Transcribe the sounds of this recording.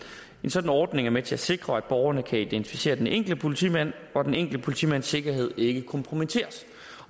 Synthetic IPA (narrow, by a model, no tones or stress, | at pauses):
e̝nsɒ̽d̥n̩ɒːd̥ne̝ŋæɐmet͡sʰe̝æse̝ɡ̥ʁɐæd̥̚b̥ɒːʊɐnəkʰæid̥ent͡sʰifise̝̰ːɐd̥eneŋɡ̥l̩əpʰo̝lit͡sʰḭmæn̰ | ɒd̥eneŋɡ̥ld̥əpʰo̝lit͡sʰḭmæn̰sːe̝ɡ̥ɐɦe̝ð̞̰ˠe̝ɡ̥əkʰɒ̽mpʰʁo̝mit͡sʰe̝̰ːɐs